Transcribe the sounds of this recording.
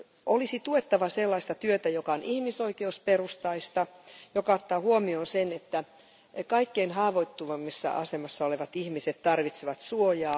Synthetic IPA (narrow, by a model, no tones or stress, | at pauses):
ʔolisit̪uet̪ːɑʋɑselːɑist̪ɑt̪yøt̪æjokɑonʔihmisoikeusperust̪ɑist̪ɑjokɑot̪ːɑːhuomionsenet̪ːæ | kɑikːeinɦɑːʋoit̪ːuʋɑmːisːɑ̰ʔɑ̰semɑsːɑoleʋɑt̪ihmiset̪t̪ːɑrʋit̪seʋɑt̪suojɑː